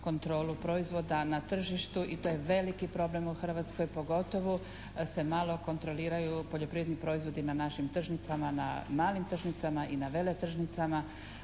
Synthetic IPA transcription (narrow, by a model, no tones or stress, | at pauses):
ko̞nt̪ɾo̞ːlupɾo̞izʋo̞d̪anat̪r̩ʒiʃt̪uʔit̪ojeʋe̞likipɾo̞ble̞muxr̩ʋat̪sko̞jpo̞ɡo̞t̪o̞ʋo | se̞malˠo̞ko̞nt̪ɾo̞liːɾajupo̞ʎopɾijed̪nipɾo̞izʋo̞d̪inanaʃimt̪r̩ʒnit̪samana̰maːlimt̪r̩ʒnit̪samaʔinaʋe̞let̪r̩ʒnit̪sama